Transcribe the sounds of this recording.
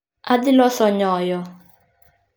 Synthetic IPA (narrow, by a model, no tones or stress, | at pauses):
adɪlɔsɔɲɔjɔ